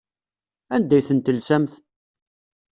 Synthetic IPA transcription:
ænd̪æjθənt̪əlsæmθ

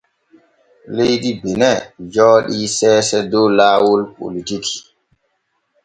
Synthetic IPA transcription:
lejɗibɛnɛd͡ʒɔːɗisɛːsɛdɔlaːwɔlpo̰litiki̥

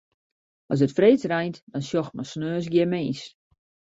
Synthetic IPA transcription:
ʔɔs̬dətfreːt͡srɛjntd̥ɔnsjɔxt̚mɔsnøːs̬ɡjɪmeːs

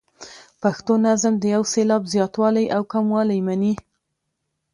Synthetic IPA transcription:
paxt̪onazəmd̪əjawselɑbzjɑt̪wɑlajʔawkamwɑlajmani

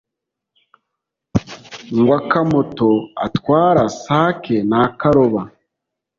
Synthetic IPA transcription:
ŋɡwakamotoa̰twaːɾasaːkenaːkaɾoβa

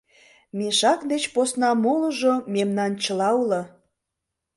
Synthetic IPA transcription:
meʃɑkd̪et͡ɕposnɑmoləʒomemnɑnt͡ɕəlɑulə

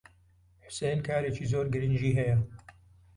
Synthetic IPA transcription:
ħʊ̥sejnkʰaːɾeːt͡ʃizoːɾɡɨɾɨnd͡ʒiːɦɛjɐ

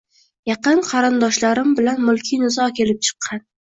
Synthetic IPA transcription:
jɑqɨnqʰɑɾɪnd̪ɒʃlaɾɪmbɪlanmʊlˠkʲʰinɪzɒkʲʰe̞lɪp̚t͡ʃʰɨ̥qʰːɑn

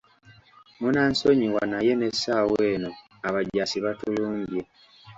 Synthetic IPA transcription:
munaːnsoɲiwanaje̞nesaːweːno | aβaɟːasiβatuluːɲɟe

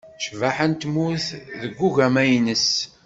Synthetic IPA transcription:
ʃvaħənt̪muθðəɡːuʝæmæjnəs

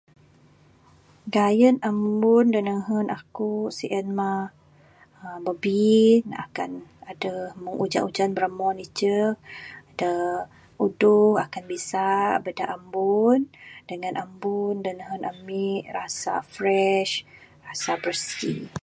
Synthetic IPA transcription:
ɡajənambʊndənəɦənʔakusiʔɛnma | bəbina̰ka̰nadəhməŋud͡ʒa̰ʔud͡ʒanbəɾəmɔnit͡ʃə | də | uduhakanbisabədaʔambundəŋãnambundənəɦənʔa̰miʔrasa̰fɾɛʃrasabərskḭ

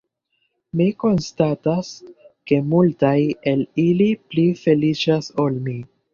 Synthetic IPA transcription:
miko̞nstataske̞multaje̞liliplife̞lit͡ʃasolmi

